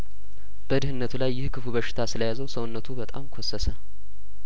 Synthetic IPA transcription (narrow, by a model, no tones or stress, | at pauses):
b̥əd̪ɨhɨnːət̪ʰulajːɪhkʰɨfuβəʃːɪ̥t̪ʰasɨləjazəwsəwnːət̪ʰubət̪ʼamkʷʰosːəsə